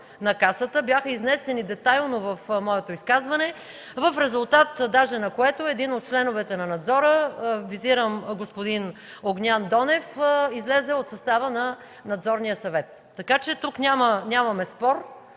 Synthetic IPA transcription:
nɐkasət̪əbjaxəiznɛsɛnid̪ɛt̪ajlˠnovɐfmɔɛt̪oiskazvɐnɛ | vəfɾɛzʊlˠt̪at̪d̪aʒɛnɐkoɛt̪oɛd̪inot̪̚t͡ʃlɛnovɛt̪ɛnɐnɐd̪zɔɾəviziɾəmɡospod̪in | oɡnʲand̪ɔnɛfizlɛzɛot̪sɐst̪avənɐ | nɐd̪zɔɾnijəsɐvɛt̪ːɐkat͡ʃɛt̪uknʲamənʲamɐmɛspɔɾ

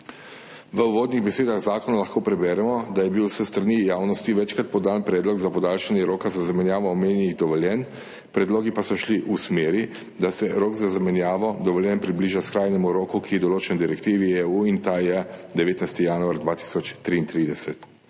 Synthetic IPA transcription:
ʋəuʋoːd̪niɣbɛseːd̪aɣzaːkɔnalaxkoːpɾɛbɛːɾɛmɔd̪ajɛbiwsɛst̪ɾanijaːwnɔst̪iʋɛt͡ʃkɾat̪̚pɔd̪anpɾɛːd̪lɔɡzapɔd̪aːlʃanjɛɾoːkazazamɛnjaːʋɔːmeːnjɛniɣd̪ɔʋɔljɛn | pɾɛd̪loːɡipasɔʃliʔusmeːɾi | d̪asɛɾoːkzazamɛnjaːʋɔd̪ɔʋɔljɛnpɾibliːʒaskɾaːjnɛmuɾoːkukijɛd̪ɔloːt͡ʃɛnd̪iɾɛkt̪iʋieuint̪ajɛd̪ɛʋeːt̪najst̪ijaːnuaɾd̪ʋaːt̪i̥sɔt͡ʃt̪ɾiːnt̪ɾid̪ɛsɛt̪

